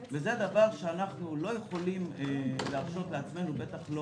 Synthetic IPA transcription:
vezed̪avaʁʃeanaχnulo̞jeχo̞limleaʁʃo̞t̪leat͡sme̞nube̞t̪aχlo

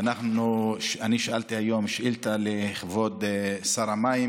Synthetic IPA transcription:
anaχnuʃaniʃalt̪iajo̞mʃʔilt̪aleχvod̪saʁamaim

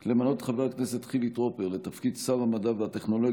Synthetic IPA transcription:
le̞mano̞t̪χaveaknese̞t̪χivit̪ʁo̞peʁlet̪afkid̪savamad̪aveat̪e̞χno̞lo

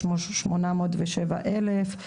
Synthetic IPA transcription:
oʃmonamoːtveʃeva̰ʔelef

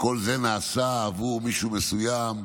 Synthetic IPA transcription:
ko̞lze̞naːsaavumiʃumesujam

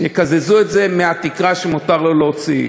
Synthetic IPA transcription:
jekazezuetze̞meat̪ikʁaʃemut̪aʁloleot͡sḭ

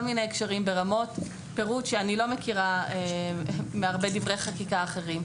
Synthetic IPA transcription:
olminejekʃaʁimbeʁamo̞t | pe̞ʁutʃeanilo̞me̞kiʁae | meaʁbe̞divʁejχakikaːχe̞ʁim

